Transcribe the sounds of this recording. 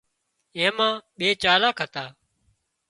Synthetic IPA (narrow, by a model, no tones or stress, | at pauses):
ẽːmãːɓeːt͡ʃaːlaːkʰət̪aː